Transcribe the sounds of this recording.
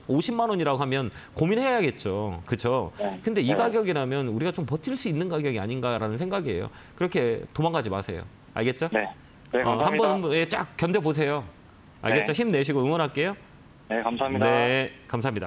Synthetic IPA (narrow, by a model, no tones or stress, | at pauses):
oɕʰimːanoɲiɾaɡoɦamjʌn | kominɦejaɡe̞t̚t͡ɕ͈okɯt͡ɕʰokɯnde̞iɡaɡjʌɡiɾamjʌnuɾiɡat͡ɕompʌtʰiɭs͈uinːɯnɡaɡjʌɡia̰ɲinɡaɾanɯnsʰe̞ŋɡaɡiḛjo̰ | kɯɾʌkʰe̞tomaŋɡad͡ʑima̰sʰe̞̰jo̰ | a̰ɭɡe̞t̚t͡ɕ͈one | ʌhambʌnambʌjet͡ɕ͈a̰k̚k͈jʌndebos̬ʰe̞jo | a̰ɭɡe̞tt͡ɕ͈oçimne̞ɕ̬ʰiɡojɯŋwʌnɦak͈e̞jo | nekamsane̞kams̬ʰaɦamɲida